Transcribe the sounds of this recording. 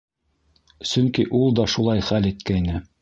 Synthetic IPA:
sɵŋkiʔulˠd̪ɒʃulˠɑjχælit̪kæjnɘ

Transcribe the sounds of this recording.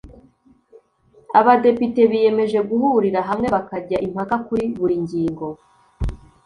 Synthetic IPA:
aβade̞pite̞βije̞me̞ʒe̞ɡuhuɾiɾaɦamŋe̞βakaɟaʔim̥hakakuɾiβuɾiɲɟiːŋɡo̞

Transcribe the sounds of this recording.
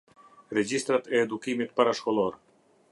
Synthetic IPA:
ɾɛd͡ʑist̪ɾat̪ɛːd̪ukimit̪paɾaʃkɔlˠɔɾ

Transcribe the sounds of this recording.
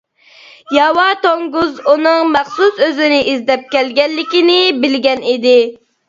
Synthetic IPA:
jɑwɑt̪oŋɡuzunɨŋmæχsusøzɪnɪʔizd̪ɛp̚kʲɛlɡʲɛnːɪkʲinɪbɪlɡʲɛnid̪ɪ

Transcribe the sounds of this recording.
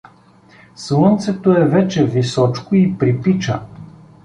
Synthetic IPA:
slˠɤnt̪sɛt̪oɛvɛt͡ʃɛvisɔt͡ʃkoipɾipit͡ʃə̰

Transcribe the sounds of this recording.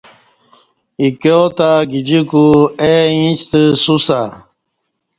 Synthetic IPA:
ikeot̪aɡid͡ʑikueĩt͡ɕt̪əsusa

